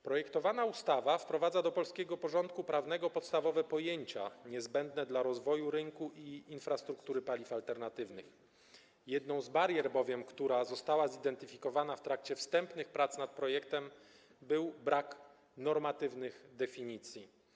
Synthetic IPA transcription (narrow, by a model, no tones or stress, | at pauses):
pɾɔjɛkt̪ɔvanaust̪avafpɾɔvad̪zad̪ɔpɔlskʲɛɡɔpɔʐɔnt̪̚kupɾavn̪ɛɡɔpɔt̪st̪avɔvɛpɔjeɲt͡ɕaɲɛzbɛnd̪nɛd̪laɾɔzvɔjuɾɘŋkuʔiinfɾast̪ɾukt̪uɾɘpalʲifalt̪ɛɾnat̪ɘvnɘx | jɛd̪nɔ̃w̃zbaɾjɛɾbɔvʲjɛmkt̪uɾazɔst̪awazid̪ɛnt̪ɘfʲikɔvanaft̪ɾak̚t͡ɕɛfst̪ɛmpnɘxpɾat̪snat̪̚pɾɔjɛkt̪ɛm | bɘwbɾak | nɔɾmat̪ɘvnɘɣd̪ɛfʲiɲit̪sʲji